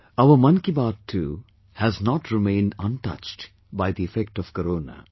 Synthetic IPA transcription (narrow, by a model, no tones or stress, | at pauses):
aʊəɾmʌ̃nkibaːʈʰːṵː | hæznɔʈɾɪmẽːnɖʌ̃nʈʌ̰t͡ʃʈ | baɪd̪iɪfɛk̚ʈɔʋ̥kəɾoːna̰